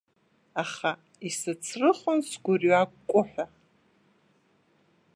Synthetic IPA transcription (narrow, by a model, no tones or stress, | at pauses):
aχa | isɨt͡sʰrɨχʷʊnsɡʷʊrɥakkʷʼʊħʷᶣa